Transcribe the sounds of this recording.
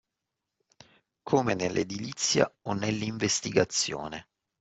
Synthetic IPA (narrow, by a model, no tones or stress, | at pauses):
kʰoːmenelːʔḛd̪ilit̪sːja̰onelːiɱvest̪iɡat̪sːjo̰ːne